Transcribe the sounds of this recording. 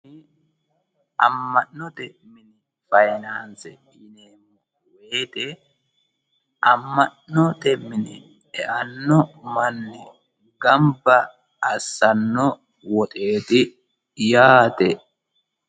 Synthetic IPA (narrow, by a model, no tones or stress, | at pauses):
ʔɐ̰mːɐnnɔt̪ɛmɪnɪ | fɐjnaːnsɛ | ɪneːmːɔ | weːt̪ɛ | ʔɐmːɐnɔt̪ɛmɪnɪ | ɛʔɐnːɔmɐnːɛ | ɡɐmbɐː | sːɐnːɔ | wɔt̪ʼe̞ːt̪ɪ | jaːt̪ɛ